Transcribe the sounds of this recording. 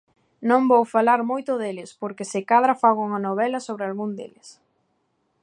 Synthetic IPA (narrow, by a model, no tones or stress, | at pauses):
nõŋbowfalaɾmojt̪ʊðelɪspoɾkesɪkað̞ɾafaɣouŋɐnoβɛlɐsoβɾɪalɣund̪ḛlɪs